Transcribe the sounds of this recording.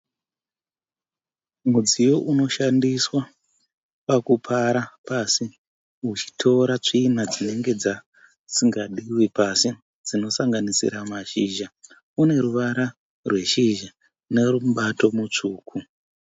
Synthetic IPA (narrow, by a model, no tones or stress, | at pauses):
mud͡zijo̞ʔuno̞ʃandiswa | pakupʰaɾapasi | ut͡ʃi̥tʰo̞ɾat͡ʂiːnad͡zine̞ŋɡe̞d͡za | siŋɡaɗiwipasi | d͡zino̞saŋɡanisḭɾamaʃiːʒa | une̞ɾuʋaɾa | rwe̞ʃiʒa | ne̞ruɓato̞mut͡ʂuːkʰu